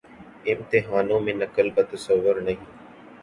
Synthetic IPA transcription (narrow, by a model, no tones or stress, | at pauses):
ɪmt̪ɪɦaːnõːmẽnɐkəlbət̪əsəʋːʊɾnɐɦĩː